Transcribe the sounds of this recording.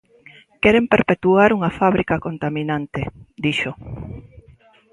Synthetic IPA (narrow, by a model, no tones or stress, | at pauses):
kɛɾempeɾpet̪uaɾuŋafaβɾikakont̪amĩnãnt̪ed̪iʃo